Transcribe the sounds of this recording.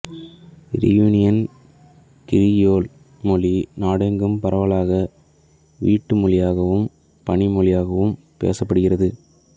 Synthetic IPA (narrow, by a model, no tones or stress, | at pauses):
ɾɪ̰juːnɪjɐn | kɪɾɪjoːl | mɔlinaːɽɛŋɡɯmpɐɾɐʋɐɭaːɣɐ | ʋiːʈːɯmʊɭɪjaːɣɐʋɯm | pɐɳɪmɔɭɪjaːɣɐʋɯm | pḛːsɐpːɐɽɯɣɪrɐðɯ